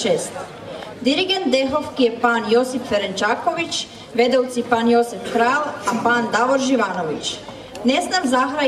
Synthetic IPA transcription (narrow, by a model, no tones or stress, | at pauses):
eːst̪ | d̪iɾiɡe̞nt̪̚d̪eɦofkijepaːnjo̞sipfeɾent͡ʃaːko̞ʋit͡ʃ | ʋe̞d̪owt̪sipaːnjo̞sifkɾaːlapaːnd̪aʋoɾʒiʋaːnoʋit͡ɕ | ne̞znamzaxɾa